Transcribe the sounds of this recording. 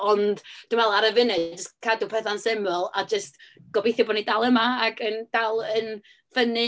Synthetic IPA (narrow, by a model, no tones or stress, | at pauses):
ɔnd̥d̥ɪmwɛlˠaɾəvɪnɨd͡ʒəskʰadupʰɛθansɪmɛlˠad͡ʒəstɡ̥ɔbejθjɔbɔːdnidalˠəmaaɡənd̥alˠən | vənɨ